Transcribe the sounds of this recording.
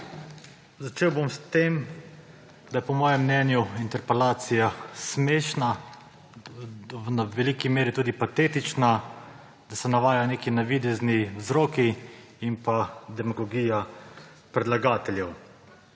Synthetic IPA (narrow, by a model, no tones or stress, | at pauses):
zat͡ʃeːwbomst̪em | d̪ajɛpɔmɔːjɛmːnɛːnjuint̪ɛɾpɛlaːt̪sijasmeːʃna | naʋɛlikimeːɾit̪uːd̪ipat̪eːt̪it͡ʃna | d̪̥asɛnaʋaːjaneːkinaʋid̪ɛzniwzɾoːki | impad̪ɛmɔɡɔɡija | pɾɛd̪laɡaːt̪ɛljɛw